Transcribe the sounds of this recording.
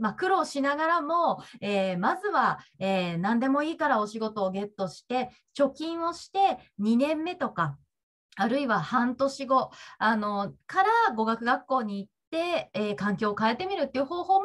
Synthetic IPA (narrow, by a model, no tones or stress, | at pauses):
makɯ̟ɾo̞ːɕinaɡaɾamo̞eːmazɨβaeːnãnd̪e̞mo̞iːkaɾao̞ɕiɡo̞t̪o̞ːɡe̞t̪ːo̞ɕi̥t̪e̞ | t͡ɕo̞kʲĩɰ̃o̞ɕi̥t̪e̞ɲ̟inẽ̞mːe̞t̪o̞ka | aɾɯ̟iβahãnt̪o̞ɕiɡo̞ano̞kaɾaɡo̞ɡakɯ̟ɡakːo̞ːɲ̟iːt̪ːe̞ːkãŋkʲo̞ːkaet̪e̞mʲiɾɯ̟t̪ːeiɯ̟ɦo̞ːho̞ːm